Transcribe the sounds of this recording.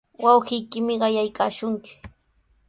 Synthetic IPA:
wɑwɢɪjkɪmɪɢɑjajkaːʃʊŋkɪ̥

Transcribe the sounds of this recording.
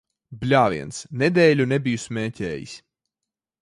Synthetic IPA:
blʲaːvḭɛnsned̪ɛːlʲunebijusmʲɛːcʲɛːjḭs

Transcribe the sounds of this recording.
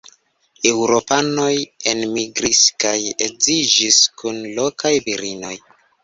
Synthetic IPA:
e̞wɾo̞pano̞jenmiɡɾiskajezid͡ʒiskunlo̞kajviɾino̞̰j

